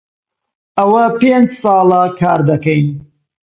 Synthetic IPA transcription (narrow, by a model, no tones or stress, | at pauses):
awapenzsɑlakʰɑːɾd̪akan